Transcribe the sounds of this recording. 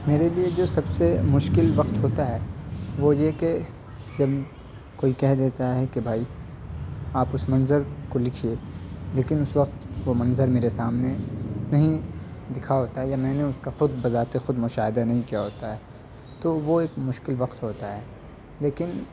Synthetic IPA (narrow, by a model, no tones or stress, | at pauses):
meːɾelied͡ʒoːsɐbsemʊʃkɪlʋɐqt̪ɦoːt̪aɦɛːʋojeke | d͡ʒɐb | koːikɛɦd̪eːt̪aɦɛkebʱaːi | aːpʊsmɐ̃nzəɾkolɪkʰieleːkɪnʊsʋɐq̚t̪ʋomɐ̃nzəɾmeːɾesaːmnenɐɦĩd̪ɪkʰaɦoːt̪aɦɛjamɛ̃ːneʊskaxʊd̪̚bɐzaːt̪exʊd̪mʊʃaːɦɪd̪anɐɦĩkijaɦoːt̪aɦɛː | t̪oʋoeːkmʊʃkɪlʋɐqt̪ɦoːt̪aɦɛː | leːkɪn